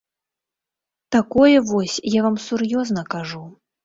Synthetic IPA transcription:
t̪akɔjɛvɔsʲjavamsurjɔznɐkaʐu

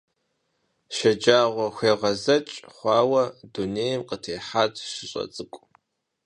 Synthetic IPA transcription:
ʃɐd͡ʒaːʁʷɔxʷeːʁɐzɐt͡ʃʼχʷɑːwɐduneːjɐmqətʰeːħaːtʰʂɨɕʼɐ̰t͡sʼɨkʷʼ

